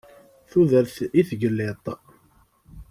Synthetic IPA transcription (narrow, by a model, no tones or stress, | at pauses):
θuðəɾθiθɡəlːet̪ˤ